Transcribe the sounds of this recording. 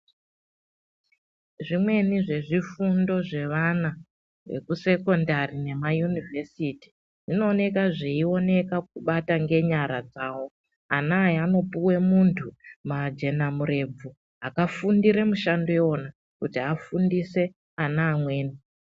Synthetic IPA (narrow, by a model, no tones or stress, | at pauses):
ʐimwe̞niʐe̞ʐifundo̞ʐe̞ʋana | ʋe̞̰kuse̞ko̞ndarine̞majunivʱesiti̥ | ʐino̞ːne̞kaʐeio̞ne̞kak̚uɓataŋɡe̞ɲaɾad͡zaːwo̞ | anaːjano̞puwe̞muntʰumad͡ʒe̞namuɾe̞b͡vu | ɦakafundiɾemuʃandoeona | kutiafundise̞ | anaːmwe̞ːni